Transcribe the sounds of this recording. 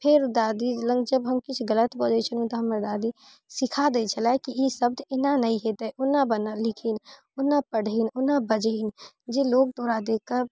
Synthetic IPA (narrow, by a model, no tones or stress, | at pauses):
pʰɪɾd̪aːd̪ilə̃ŋɡd͡ʒəbɦəmkɪt͡ʃʰɡələt̪bɔːd͡ʒet͡ʃʰənɦũt̪oɦɐməɾd̪aːd̪i | sɪkʰad̪et͡ʃʰəlaɛkiisəb̚d̪ɪnanɐɦĩɦet̪aɛʔʊnːabənalɪkʰin | ʊnːapəɽ̤inʊnabəd͡ʒin | d͡ʒeloːɡ̚d̪oːɾad̪eːkəɾ